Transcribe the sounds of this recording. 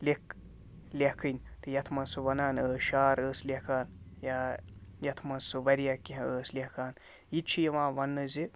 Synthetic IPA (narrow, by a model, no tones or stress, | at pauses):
lek | lʲekʰɨnʲt̪ɨjɐt̪ʰmɐsuʋɐnaːnəːʃaːɾəːslʲekʰaːnjajɐt̪ʰmɐsuʋɐɾijakiɦəːslʲeɦkʰaːn | jit͡ʃʰijɐʋãːʋɐnːɨzi